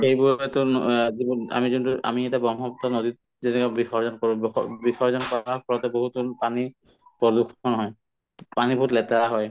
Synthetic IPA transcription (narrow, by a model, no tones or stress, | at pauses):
xejbuɹɛtunzibɔna̰mizuntuʔa̰miɛtabɔŋɔpɔtɔnodit̚ | zɛnɛkɔbixʰɔɹzɔnkɔɹũb̰bikʰɔɹzɔnkɔak̚ʰɔɹɔtɛboɦutunpani | pɔdukʰɔnɔɦɔj | panibɔutlɛtaaɦɔj